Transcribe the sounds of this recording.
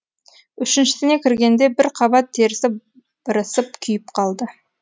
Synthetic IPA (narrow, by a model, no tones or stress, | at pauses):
ʏʃɪnʃɪ̥t̪ɪne̞kʲʰɪɾɡʲe̞nd̪e̞bɪɾqʰɑβɑt̪ʰːe̞ɾɪsɪ | b̥əɾəsəp̚kʲʰʏjɪp̚qʰɑlˠd̪ə